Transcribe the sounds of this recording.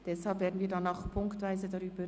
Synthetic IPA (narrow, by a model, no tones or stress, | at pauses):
d̥ɛshalpveːɐdn̩viːɐdanːaxpʰʊŋktvaɪzədaʁyːbə